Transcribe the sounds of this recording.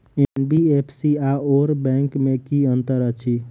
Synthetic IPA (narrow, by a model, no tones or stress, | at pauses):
enbiepʰsiaoɾbɛ̃ŋkmẽkiə̃nt̪əɾət͡ʃʰi